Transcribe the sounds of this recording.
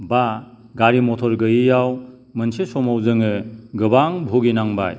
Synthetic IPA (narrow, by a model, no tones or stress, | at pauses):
ba | ɡaɾimɔtʰɔɾɡɯjijaw | mɯnsesɔmawzɯŋɯɡɯbaŋbʱoɡinaŋba̰j